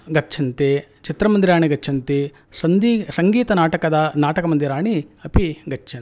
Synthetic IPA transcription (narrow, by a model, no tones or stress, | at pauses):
ɡɐtːt͡ʃʰɐnt̪et͡ʃit̪ɾɐmɐnd̪iɾaːɳiɡɐt͡ʃːt͡ʃʰɐnt̪i | sɐnd̪isɐŋɡiːt̪ɐnaːʈɐkɐd̪ɐnaːʈɐkɐmɐnd̪iɾaːɳiɐpiɡɐt͡ʃːt͡ʃʰɐn